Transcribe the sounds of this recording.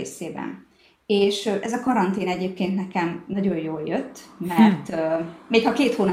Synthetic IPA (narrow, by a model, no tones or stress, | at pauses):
ḛːseːbɛ̰n | eːʃøʔɛzɒkɒɾɒnt̪eːnɛɟeːp̚keːnt̪nɛkɛmnɒɟo̞jjoːljøt̪ːmɛrt̪ːmeːkhɒkeːt̪hoːn